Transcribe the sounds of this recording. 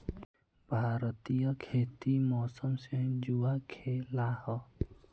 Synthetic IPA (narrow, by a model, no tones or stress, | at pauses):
bʱaːɾət̪ijəkʰeːt̪imɔːsəmsẽd͡ʒuːakʰelahɔ